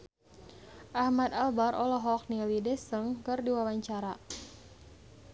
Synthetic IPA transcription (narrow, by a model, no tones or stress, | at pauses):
ʔahmat̪albaɾʔɔlɔɦɔk̚nilidɛsəŋkɨrdiwawaɲt͡ʃaɾa